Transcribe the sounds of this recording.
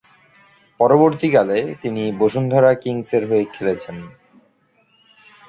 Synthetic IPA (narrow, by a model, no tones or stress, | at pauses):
pɔɾoboɾt̪ikalet̪iniboʃund̪ʱɔɾakiŋseɾɦoekʰelet͡ɕʰen